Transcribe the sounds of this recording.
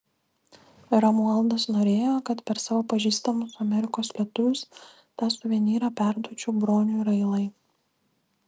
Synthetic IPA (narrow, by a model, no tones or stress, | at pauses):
ɾɐmuɛlˠd̪ɐsnoːɾʲeːjoːkɐt̪pʲɛɾsɑːʋoːpɐʒʲiːst̪ɐmʊsʊɐmʲɛɾʲɪkoːslʲiɛt̪ʊʋʲʊs | t̪ɑːsʊʋʲiɛnʲiːɾɑːpʲæˑɾd̪uɔt͡ʃʲuːbɾoːnʲuɪɾɐɪlˠɐɪ